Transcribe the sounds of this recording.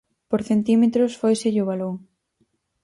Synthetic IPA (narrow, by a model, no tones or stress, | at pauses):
poɾθent̪imet̪ɾʊsfojseʎʊβ̞aloŋ